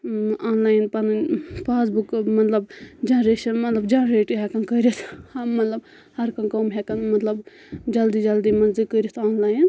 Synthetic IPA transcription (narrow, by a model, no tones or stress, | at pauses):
aːnlaːjnpɐnɨnpaːsbukmɐt̪lɐbd͡ʒãːɾeʃɐmɐt̪lɐbd͡ʒãːɾeːʈɨɦɛkɐnkəɾʲit̪ʰhamɐt̪lɐb | hɐɾkɐnkomɦɛkɐnmɐt̪lɐb | d͡ʒɐld̪id͡ʒɐld̪imɐnzikəɾʲit̪ʰaːnlaːjin